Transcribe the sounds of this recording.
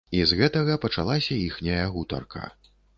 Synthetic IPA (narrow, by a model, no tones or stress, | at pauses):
izɣɛt̪ɐɣɐpɐt͡ʂalˠasʲɐixnʲɐjɐɣut̪ɐ̰rkʰɐ̰